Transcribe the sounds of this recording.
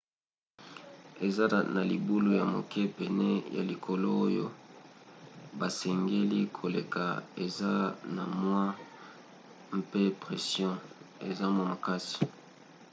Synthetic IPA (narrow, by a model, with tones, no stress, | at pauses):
e˨za˦na˨li˨bu˦lu˦ja˨mo̰˨kʰɛ˦pɛ˨nɛ˦ja̰˨li˨kʰo˨lo˦o˦jo̰˦ | ba˨sɛ˨ŋɡe˦li˦kʰo˨le˨ka̰˨e˨za˦na˨mwa˦ | m˦pe˦pʁɛ˨sjɔ̃˦e˨za˦mo˨ma˨ka˦si̥˨